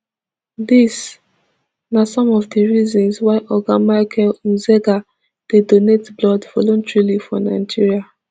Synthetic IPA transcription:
dis | nasɔ̃mɔvdiɹizɔ̃nswaɪʔɔɡamaɪkʰɛlũzɛɡa | d̥edonetblɔdvɔlɔ̃ntɹalifɔ̃naɪd͡ʒiɹia

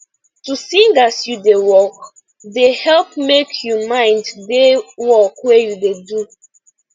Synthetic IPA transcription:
tusĩŋɡasjudewɔk | dehɛlpmekʰjumãɪ̃nddewɔkwejudedu

